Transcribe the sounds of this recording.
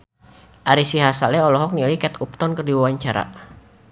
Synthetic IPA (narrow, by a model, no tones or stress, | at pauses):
ʔaɾisiɦasalɛɔlɔɦɔk̚nilikɛt̪up̚t̪ɔnkərdiwawaɲt͡ʃaɾa̰